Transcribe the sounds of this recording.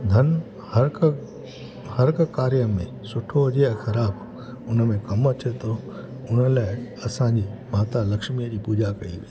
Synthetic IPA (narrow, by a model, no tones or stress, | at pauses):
d̪ʱɐn | hɐɾk | hɐɾkkaːɾjəmẽ | sʊʈʰoʊd͡ʑeɛ̃xɐɾaːb | ʊnmẽkɐmɐt̪ʰet̪ʰo | ʊnə̆laːɪɐsãd͡ʑiːmaːt̪alɐkʃmiəd͡ʑiːpuːd͡ʑakɐḭʋe